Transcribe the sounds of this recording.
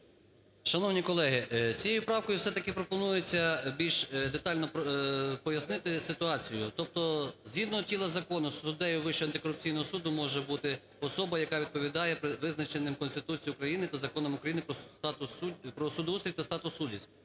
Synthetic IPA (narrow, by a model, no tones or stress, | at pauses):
ʃɐnɔwnʲikɔlˠɛɦɪt͡sʲijejʊpɾɑwkɔjʊfsɛt̪ɐkɪpɾɔpɔnujet͡sʲːɐbʲilʲʃd̪et̪ɑlʲnɔppɔjɐsnɪt̪ɪsɪt̪ʊɑt͡sʲijʊt̪ɔp̚t̪ɔzɦʲid̪nɔɦɔtʲilˠɐzɐkɔnʊsʊd̪ɛjʊʋɪʃt͡ʃɛɐnt̪ɪkɔɾʊp̚t͡sʲijnɔɦɔsud̪ʊmɔʒɛbut̪ɪ | ɔsɔbɐjɐkɑʋʲid̪̚pɔʋʲid̪ɑjɛpɾɪʋɪznɐt͡ʃenɪmkɔnst̪ɪt̪ut͡sʲijʊkɾɐjinɪt̪ɐzɐkɔnɔmʊkɾɐjinɪpɾɔt̪ʊpɾɔsʊd̪ɔust̪ɾʲit̪ɐst̪ɑt̪ʊsːudʲisʲt